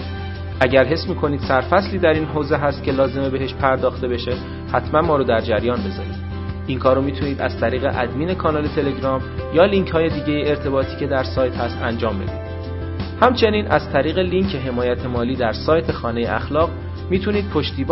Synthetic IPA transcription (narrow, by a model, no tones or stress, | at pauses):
ʔæɟæɾɦe̞smiːkʰo̞niːd̪̥sæɾfæsliːd̪æɾiːnɦoːze̞ɦæst̪̚kcʰelɒːze̞me̞be̞ɦeʃpʰæɾd̪ɒːxt̪e̞be̞ʃe̞ | hæt̪ʰmænmɒːɾoːd̪æɾd͡ʒæɾjɒːnbe̞zɒːniːd̪̥ | iŋkʰɒːɾomiːt̪ʰuniːd̪æ̰z̥t̪ʰæɾiːɣe̞̰ʔæ̰d̪miːne̞kʰɒːnɒːle̞t̪ʰe̞le̞ɟɾɒːmjɒːliŋcʰhɒːje̞d̪iːɟe̞jieɾt̪ʰe̞bɒːt̪ʰiːcʰe̞d̪æɾsɒːjt̪hæst̪ænd͡ʒɒːmbe̞̰d̪iːd̪̥ | hæmt͡ʃʰe̞niːnʔæz̥t̪ʰæɾiːɣe̞liŋcʰe̞ɦe̞mɒːjæt̪ʰemɒːliːd̪æɾsɒːjt̪ʰe̞xɒːne̞jeʔæ̰xlɒːɣ | miːt̪ʰuniːd̪̥̚pʰo̞ʃt̪iːb